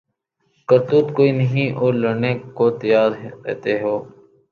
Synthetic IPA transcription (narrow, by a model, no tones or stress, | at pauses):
kəɾt̪uːt̪koːiːnəɦĩːʔoːɾləɽneːkoːt̪əjaːɾɾḛːt̪eːɦoː